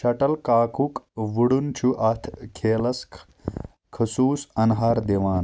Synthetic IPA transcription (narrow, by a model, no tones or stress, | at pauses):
ʃɐʈɐlkaːkukʋuɽunt͡ʃʰuʔɐt̪ʰkʰeːlɐsk | kʰəsuːsɐnɦaːɾd̪eʋaːn